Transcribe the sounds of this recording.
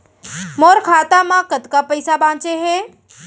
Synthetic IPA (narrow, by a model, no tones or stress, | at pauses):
moːɾkʰaːt̪amãkɐd̪kapəɪsabãːt͡ʃeɦɛː